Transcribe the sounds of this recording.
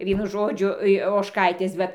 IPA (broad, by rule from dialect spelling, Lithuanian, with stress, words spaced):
ˈʋʲiɛnʊ ˈʒoːd͡ʒʲʊ ɪ oːʃˈkɐɪtʲeːs ˈʋɐt